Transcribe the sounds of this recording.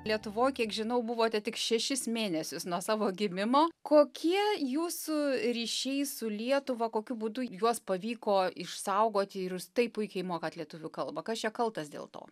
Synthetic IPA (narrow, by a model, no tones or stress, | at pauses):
lʲiɛt̪ʊʋoːjkʲiɛkʒʲɪnɐʊbʊʋoːt̪ʲɛtʲɪkʃʲɛʃʲɪsmʲeːnʲɛsʲʊsnuɔsɑːʋoːɡʲɪmʲɪmoːkoːkʲiɛjuːsʊɾʲiːʃʲɛɪsʊlʲiɛt̪ʊʋɐkoːkʲʊbuːd̪ʊjuɔspɐʋʲiːkoːɪʃsɐʊɡoːt̪ʲɪɪɾʊst̪ɐɪpʊɪkʲɛɪmoːkɐːt̪lʲiɛt̪ʊʋʲʊkɐlˠbɐkɐst͡ʃʲɛkɐlˠt̪ɐsd̪ʲḛːlˠt̪o̰ː